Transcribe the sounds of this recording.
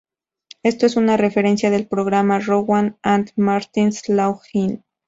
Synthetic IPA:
e̞st̪oesunare̞fe̞ɾe̞nsjaðe̞lpɾoɣɾamaroɣwanant̪maɾt̪inslawxin

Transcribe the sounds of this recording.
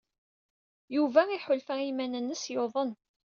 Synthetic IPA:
juvæiħʊlfæimænənːəsjoðˤən

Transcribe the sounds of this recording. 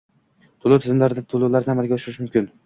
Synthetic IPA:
t̪ʰʊlˠʊwt̪ʰɪzɪmlaɾɪd̪at̪ʰʊlˠowlaɾamalɡʲaʊʃʊɾɪʃmʊmkʲɪn

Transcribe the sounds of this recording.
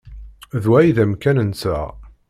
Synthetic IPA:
ðwæjðæmkænənt͡sːæ

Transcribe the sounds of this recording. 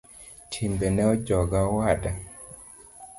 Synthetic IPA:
tʰimbenɛɔd͡ʒɔɡawada

